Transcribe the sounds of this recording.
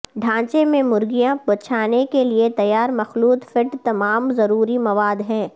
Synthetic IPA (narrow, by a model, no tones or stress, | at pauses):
ɖʱãːt͡ʃemẽmʊɾɡijãbɐt͡ʃʰaːnekeliet̪ɐjaːɾmɐxluːt̪fɪʈt̪ɐmaːmzɐɾuːɾimɐʋaːd̪ɦɛ̃ː